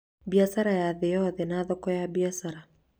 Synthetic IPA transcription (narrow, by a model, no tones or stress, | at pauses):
biasaɾajaðejɔðɛnaðɔkɔjabiasaɾa